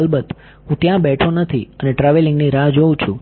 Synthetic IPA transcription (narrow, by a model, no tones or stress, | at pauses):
lbət̪ | ɦũt̪jãbɛʈʰonət̪ʰiəneʈɾaʋelɪŋɡniɾãd͡ʒoũt͡ʃʰũ